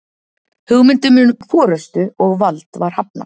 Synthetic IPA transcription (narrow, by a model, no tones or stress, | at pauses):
hʏɣmɪnt̪ʏmʏːnfɔːɾœst̪ʏɔɣvalt̪vaɾ̥hap̚na̰